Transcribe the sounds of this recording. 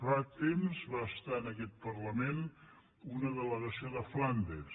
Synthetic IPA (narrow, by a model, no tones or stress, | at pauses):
fat̪emzβaəst̪aənəkɛt̪̚pərləmen | unəðələɣəsioðəfland̪e